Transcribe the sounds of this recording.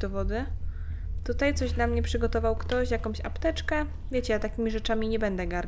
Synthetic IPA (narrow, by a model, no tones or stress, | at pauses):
d̪ɔvɔd̪ɘ | t̪ut̪ajt̪sɔʑd̪lamɲɛpʂɘɡɔt̪ɔvawkt̪ɔɕjakɔ̃mɕa̰pt̪ɛt͡ʂkɛ | vʲjet͡ɕɛjat̪akʲimʲiʐɛt͡ʂamʲiɲɛbɛnd̪ɛɡaɾ